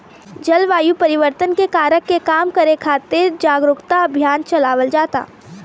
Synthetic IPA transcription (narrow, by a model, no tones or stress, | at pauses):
d͡ʒɐlʋaːjupɐɾɪʋəɾt̪ənkekaːɾəkːekaːmkɐɾekʰaːt̪ɪɾd͡ʒaːɡɾʊɡt̪aɐbʱjaːnt͡ʃɐlaːʋəld͡ʒaːt̪a̰ː